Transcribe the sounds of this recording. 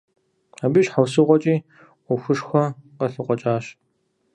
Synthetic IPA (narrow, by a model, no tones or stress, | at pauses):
aːbiːʃħawsɨʁʷɔt͡ʃʼiː | ʊxʷʊʂxʷɔqɐɬɨqʷʼɔt͡ʃʼaːɕ